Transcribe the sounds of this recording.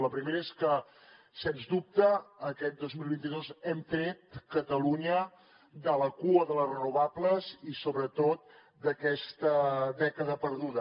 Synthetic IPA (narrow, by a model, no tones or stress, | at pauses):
ləpɾimeɾəeskə | senzdup̚t̪əːkɛt̪̚d̪ozmilˠβint̪iðozɛmfɾet̪̚kət̪əluɲə | d̪ələkuəðələrənuβabləzisoβɾət̪ot̪̚ | d̪əkɛst̪əðɛkəðəpəɾðuðə